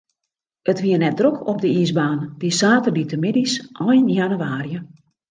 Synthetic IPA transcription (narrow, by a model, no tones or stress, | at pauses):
ətʋiərnɛt̚drøkʰɔp̚dəisbaːnd̥isaːtərditʰəmɪdisʔɔjnjanyaːrijə